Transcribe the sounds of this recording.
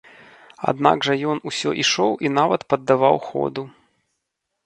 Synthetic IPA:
a̰d̪na̰ɡʐɐjɔnusʲɔʔiʂɔwʔinavɐt̪pɐd̪ːavawxɔ̰d̪u

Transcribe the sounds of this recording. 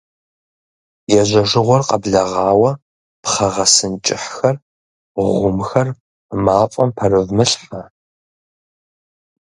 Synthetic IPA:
jɛʒɐʒɪʁʷɔrqɐbɮɐʁɑːwɐ | pχɐʁɐsɨnt͡ʃʼɪħxɐr | ʁʷʊmxɐr | maːfʼɐmpʰɐrɨvmɨɬħɐ

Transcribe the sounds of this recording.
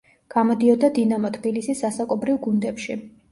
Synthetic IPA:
ɡ̥amɔd̪iɔd̪ad̪inamɔt̪ʰbilisisasakʼɔbɾivɡund̪ɛpʃi

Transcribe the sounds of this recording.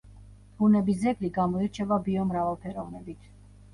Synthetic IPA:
hunɛbizɛɡliɡamɔiɾt͡ʃʰɛvabiɔmɾavalpʰɛɾɔvnɛbit̪ʰ

